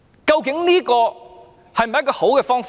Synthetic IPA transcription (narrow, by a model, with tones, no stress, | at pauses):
ka˧wke˨˥ŋliː˦˥kɔː˧ | hjm̚˨˩˨kɔː˧ho˨˥wkɛː˧fɔː˥ŋf